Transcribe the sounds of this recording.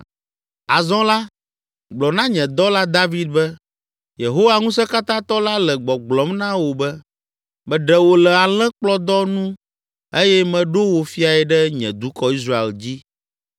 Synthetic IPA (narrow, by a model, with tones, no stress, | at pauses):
a˨zɔ̃˦la˦ | ɡ͡blɔ˨nã˦ɲɛ̃˨d̪ɔ˦la˦d̪a˦vi˦d̪̚bɛ˦ | je˨ɦo˦wa˨ŋũ˦sɛ˦ka˦t̪ã˦t̪ɔ˦la˦lɛ˨ɡ͡bɔ˨ɡ͡blɔ˨mnã˦wo˨bɛ˦ | mɛ̃˨ɖɛ˨wo˨lɛ˨a˨lɛ̃˦k͡plɔ˦d̪ɔ˦nũ˦ | e˦jɛ˦mɛ̃˨ɖo˦wo˨fi˦a˨ɛ˨ɖɛ˦ɲɛ̰̃˨d̪u˨˦kɔ˦i˦s̬ɾa˦˨ḛ˨ld͡ʑi˦